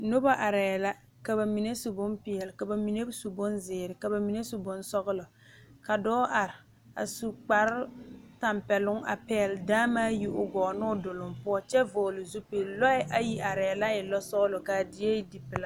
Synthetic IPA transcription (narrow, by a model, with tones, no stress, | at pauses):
nʊ˦ba˦ʔa˨ɾɛː˨la˦ | ka˨ba˨mi˨ne˦su˨bʊ˦mpɪ˨ɛ˨lɪ˨ka˨ba˨mi˨ne˦su˨bʊ˦nzɪː˨ɾɪ˨ka˨ba˨mi˨ne˦sʊ˨bʊ˦nsɔ˦ɣʊ˦lɔ˨ | ka˨dɔː˦ʔa˨ɾɪ˨ | a̰˨su˨k͡pa˨ɾɪ˦ta˨mpɛ˨lʊ˦ŋa̰˨pɛ˦ɛ˨ldaː˦maː˦ji˦ʔʊ˦ɡɔː˨nʊ˦dʊ˨lʊ˨mpʊ˦ɔ˦t͡ʃɛ˦voː˨lʊ˨zu˦pe˨lɔ˦ɪ˦ʔa˦ji˦ʔa˨ɾɛ˨la˦ɪ˨lɔ˦sɔ˦ɣlʊ˨ka˨dɪ˨e˦di˨pɪ˨la˦